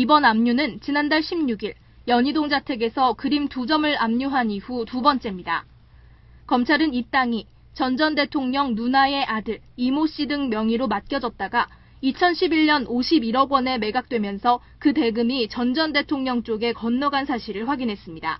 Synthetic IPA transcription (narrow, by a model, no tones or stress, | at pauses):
ibʌnamɲunɯnt͡ɕinandaɭɕʰimɲuɡiɭ | jʌɲidoŋd͡ʑatʰe̞ɡe̞sʰʌkɯɾimtud͡ʑʌmɯɭamɲuɦanihutubʌnt͡ɕ͈e̞mɲida̰ | kʌmt͡ɕʰaɾɯnip̚t͈aŋi | t͡ɕʌnd͡ʑʌnde̞tʰoŋɲʌŋnunae̞ʔadɯɭ | imoɕ͈idɯŋmjʌŋiɾomat̚k͈jʌd͡ʑʌt̚t͈aɡa | it͡ɕʰʌnɕʰibiɭɲʌnoɕʰibiɾʌɡwʌne̞me̞ɡak̚t͈we̞mjʌnsʰʌ | kɯte̞ɡɯmit͡ɕʌnd͡ʑʌnde̞tʰoŋɲʌŋt͡ɕ͈oɡe̞kʌnːʌɡansʰaɕʰiɾɯɭɸwaɡinɦe̞s͈ɯmɲida̰